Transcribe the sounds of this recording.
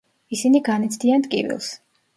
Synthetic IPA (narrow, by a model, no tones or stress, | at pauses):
isiniɡanit̪sʰd̪iant̪ʼkʼḭvḭlˠs